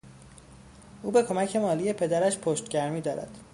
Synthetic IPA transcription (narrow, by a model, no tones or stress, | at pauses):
ʔuːbe̞kʰo̞mæcʰe̞mɒːlije̞pʰe̞d̪æɾæʃpʰoʃt̪ɟæɾmiːd̪ɒːɾæ̰d̪̥